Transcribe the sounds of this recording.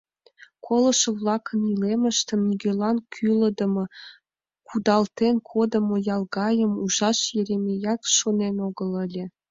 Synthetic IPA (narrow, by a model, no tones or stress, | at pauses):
kʰolˠɤ̆ʃɤ̆vlˠɑkə̆nilemə̆ʃt̪ə̆miɡʲølˠɑnkʲʰylə̆d̪ə̆mɤ̆ | kud̪ɑlt̪enkʰod̪ɤ̆mɤ̆jɑlˠɡɑjə̆muʒɑʃjeɾʲemʲejɑt̪ʃonenoɡə̆lə̆lʲĕ